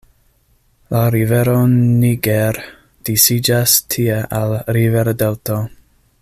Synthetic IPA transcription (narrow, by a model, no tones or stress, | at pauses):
laɾiveɾoniɡeɾ | d̥isid͡ʒastʰieʔalɾiveɾdelto